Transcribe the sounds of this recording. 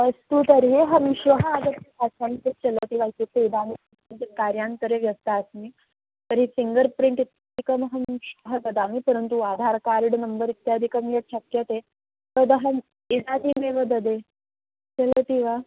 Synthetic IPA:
ʋəst̪ut̪əɾɦeɦəmɕʋəɦəaɡ̪ət̪ipasantet͡ɕələt̪iʋait̪ut̪eid̪ami | int̪ekaɾjant̪əɾeʋjɐst̪aəsmi | t̪əɾɦisiŋɡəɾpɾiɳʈit̪jad̪ikəmɦəmɕʋəɦəd̪əd̪amipəɾənt̪uad̪ʱaɾkaɾiɽnəmbəɾit̪jad̪ʱikəmjeʈɕəkjət̪e | t̪əd̪əɦəm | id̪ad̪ʱimeʋəd̪əd̪e | t͡ɕələt̪iʋa

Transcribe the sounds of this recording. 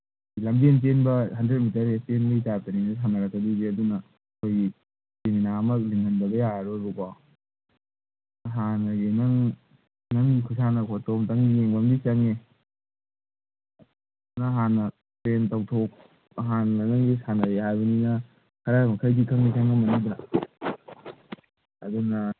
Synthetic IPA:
ilɐmbent̬enbɐhɐndɾet̚mitɐɾesenbɐitaɾtaninas̬anɐɾɐkːɐdibiɐdunɐː | kʰojɡi | seminaːmɐk̚liŋɡɐnbɐɡɐjaaɾoɾuba | ɦanɐɡenɐŋ | naŋikʰusanɐkʰotomtaŋdijeŋbaŋbisaŋe | naɦanɐ | pentawtʰok | ɦanɐnaŋɡisanɐɾeɦajbɐninɐ | kʰaɾamɐkʰajdikʰɐŋnikʰaŋnɐmɐnidɾa | ɐ̰dunɐ

